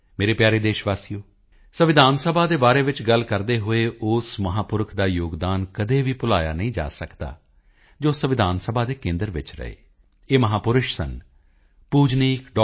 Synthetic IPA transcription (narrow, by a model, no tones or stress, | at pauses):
meːɾeːpjaːɾeːd̪eːʃʋaːsijoː | səʋɪd̪ʱaːnsəbʱaːd̪eːbaːɾeːʋɪt͡ʃɡəlkəɾd̪eːɦoːeːʊsməɦaːpʊɾəkʰd̪aːjoːɡd̪aːnkəd̪eːʋiːpʊlaːja̰ːnəɦĩːd͡ʒa̰ːsəkd̪a̰ː | d͡ʒoːsəʋɪd̪ʱaːnsəbʱaːd̪eːkẽːnd̪əɾʋɪt͡ʃɾə̰ḛː | eːməɦaːpʊɾʊʃsə̰n | puːd͡ʒniːkɖ